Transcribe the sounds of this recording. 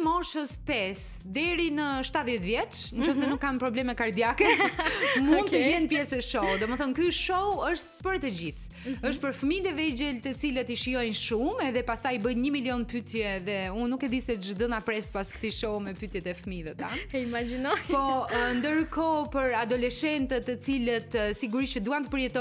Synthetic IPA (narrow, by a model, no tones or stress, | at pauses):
mɔʃəspɛs | d̪ɛɾinəʃt̪at̪ðjɛt̪vjɛt͡ʃnət͡ʃɔfsɛnukːanpɾɔblɛmɛkaɾd̪jakɛ | mund̪t̪əjɛnpjɛsɛʃɔd̪ɔməθɔnkyʃɔwəʃt̪pəɾt̪əd͡ʑiθ | əʃ̬t̪̚pəɾfmid̪ɛvɛd͡ʑɛlt̪ət͡silət̪iʃijɔjnʃumɛðɛpast̪ajibəjɲəmiljɔnpyt̪jɛðɛunːukɛd̪isɛd͡ʒd̪ənapɾɛspaskt̪iʃɔwmɛpyt̪jɛt̪ɛfəmiðɛt̪animad͡ʒinɔjpɔnd̪əɾkɔpəɾad̪ɔlɛʃɛnt̪ət̪ːət͡silət̪siɡuɾit͡ʃəd̪uant̪əpəɾjɛt̪ɔ